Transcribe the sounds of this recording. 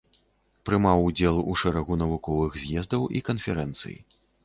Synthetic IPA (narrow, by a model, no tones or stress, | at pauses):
pɾɨmawd͡zʲɛlˠuʂɛɾɐɣunɐvukɔvɨɣzʲjɛzd̪ɐwikɐnfʲɛɾɛnt̪sɨ̰jḭ